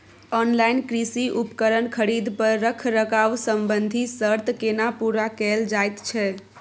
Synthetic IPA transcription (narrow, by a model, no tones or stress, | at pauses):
ɔnlajnkɾisiʔupkəɾənkʰəɾid̪ʱpəɾːəkʰɾəkaʋsəmbənd̪ʱisəɾt̪kenapuɾakɛld͡ʒajt̪t͡ʃʰɛ